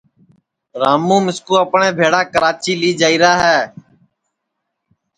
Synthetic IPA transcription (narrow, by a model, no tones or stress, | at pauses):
ɾaːmũːmɪskuːəpɳẽːbʱeːɽaːkəɾaːt͡ʃiːliːd͡ʒaːiːɾaːɦɛː